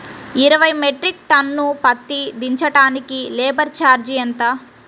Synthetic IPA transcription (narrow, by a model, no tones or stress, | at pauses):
iɾɐʋɐjmeʈɾik̚ʈɐnːupɐt̪ːid̪iɲt͡ʃɐʈaːnikilɛːbɐɾt͡ʃaːɾd͡ʒiɐnt̪aː